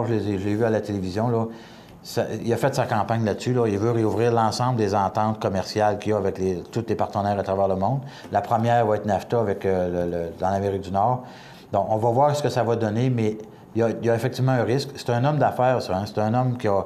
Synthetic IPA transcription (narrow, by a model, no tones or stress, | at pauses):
ʒəlezeʒəlevyalat̪elevizjɔ̃lɔ | sa̰ilafɛt̪sakɑ̃ːpaɲlat̪sylɔilvøʁeuvʁiːʁlɑ̃ːsɑ̃bləd̪ezɑ̃ːt̪ɑ̃ːt̪̚kɔmɛʁsjalkʲiaavɛklet̪ut̪lepaʁt̪ənɛːʁat̪ʁavɛːʁləmɔ̃d̪ | lapχəmjɛːʁvaɛːt̪naft̪aavɛklələd̪ɑ̃lameʁik̚d̪ynɔːʁ | d̪ɔ̃kɔ̃vɑvwaːʁsə̥kəsavad̪ɔnemɛ | jajaefɛk̚t̪ivmɑ̃ɛ̃ʁɪskse̥t̪ɛ̃nɔmd̪afɛːʁsɔɛ̃se̥t̪ɛ̃nɔmkʲiə